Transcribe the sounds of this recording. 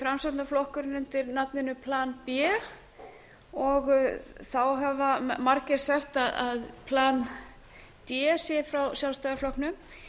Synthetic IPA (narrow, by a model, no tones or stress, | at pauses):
fɾamsat̪naflɔhkʏɾɪnʏnt̪ɪɾnapnɪnʏpʰlaːnpjɛː | ɔɣθawɦɛvamaɾcɪɾsɛht̪aðaðpʰlaːn | t̪jɛːsjɛfɾawsjalst̪ajðaflɔhknʏm